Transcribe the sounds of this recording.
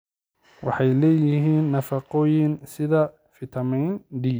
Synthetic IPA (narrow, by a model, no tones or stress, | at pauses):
wɑ̰ħɑjlɛːjɪɦiːnːɐfɑqɔːjɪnsɪðɐ | fɪt̪ʰɐmɛjnɖiː